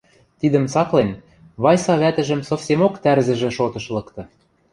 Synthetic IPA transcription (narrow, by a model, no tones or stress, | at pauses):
t̪id̪ə̆mt͡sɑklen | βɑjsɑβæt̪ə̆ʒɘ̆msofsʲemokt̪æɾzɘ̆ʒĕʃot̪ɤ̆ʃlɤ̆kt̪ɤ̆